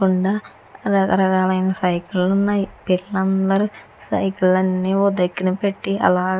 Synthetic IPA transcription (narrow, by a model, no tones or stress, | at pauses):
kuɳɖaː | ɾɐkɐɾɐkaːlɐjnɐsɐjkulunːɐjipiɭːɐnd̪ɐɾu | sɐ̰jkulɐnːiːoːd̪ɐɡːinɐpe̞ʈːiɐ̰laː